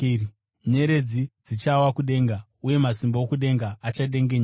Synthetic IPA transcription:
ɲe̞ɾe̞d͡zid͡zit͡ʃawakuɗe̞ːŋɡa | uje̞masimbookuɗe̞ŋɡaːt͡ʃaɗe̞ŋɡeɲa

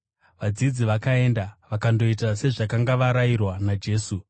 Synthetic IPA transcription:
ʋad͡zid͡ziʋakae̞ndaʋakando̞it̬ase̞ʐakaŋɡaʋaɾairwanad͡ʒe̞ːsu

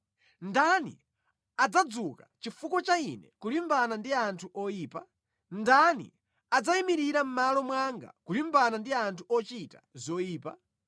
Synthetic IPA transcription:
ndanḭ | ad͡zad͡zukat͡ʃifukɔt͡ʃainɛkulimbanandiantʰuʔɔjiːpa | ndanḭ | ad͡zaimiɾiɾam̩malɔmwaŋɡa̰kulimbanandiantʰuɔt͡ʃita̰zɔiːpa̰

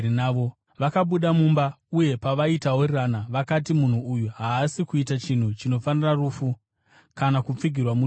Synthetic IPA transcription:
inaʋo | ʋakaɓuɗamumbauje̞paʋaitaworranaʋakat̬imun̤uːjuɦaːsikuitat͡ʃin̤ut͡ʃino̞faniraruːfu | kanakup͡fiɡʱirwamu

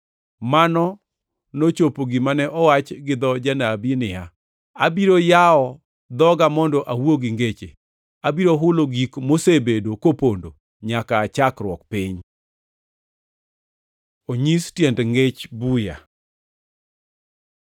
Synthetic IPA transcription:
manɔ | not͡ʃopoɡimanɛʔɔwat͡ʃɡɪd̪ɔd͡ʒanabinɪa | abiɾojaɔ | d̪ɔɡamɔndɔʔawoɡiŋɡet͡ʃḛ | abiɾoɦʊloɡikmosebedokopondo̰ | ɲakaːt͡ʃakɾwɔkpɪɲ | oɲistjɛndŋɡet͡ʃbuja̰

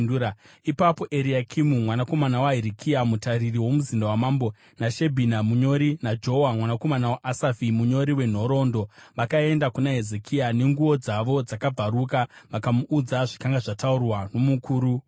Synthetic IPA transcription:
ua | ipapo̞ʔe̞ɾiakʰimumwanako̞manawaɦiɾikʰiamutaririwo̞muzindawamambo̞ | naʃe̞bʱinamuɲo̞ɾinad͡ʒo̞wamwanako̞manawaʔasafimuɲo̞ɾiwe̞n̤o̞ɾo̞ndo̞ʋakae̞ndakunaɦe̞zekʰiane̞ŋɡuʋo̞d͡zaʋo̞d͡zakab͡vaɾukaʋakamuʔːd͡zaʐikaŋɡaʐataurwano̞mukuːɾu

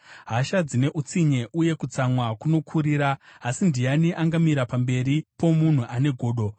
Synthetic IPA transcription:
ɦaʃad͡zine̞ʔut͡siɲe̞ʔuje̞kut͡samwakuno̞kʰuɾiːɾaːsindijaniʔaŋɡamiɾapambe̞ɾipo̞mun̤uʔane̞ɡʱo̞ːɗo̞

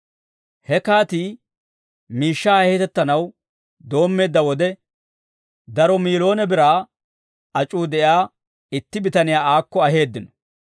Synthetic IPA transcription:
hɛkaːt̪iː | miːʃːaːhhɛt̪ɛt̪ːɐnɐw | d̪o̞ːmːe̞ːd̪ːɐwɔd̪ɛ | d̪ɐɾɔmiːlo̞ːnɛbɪɾaː | ɐt͡ʃʼuːd̪ɛjaː | ɪt̪ːɪbɪt̪ɐnɪjaːaːkːɔɐɦe̞ːd̪ːɪnɔ

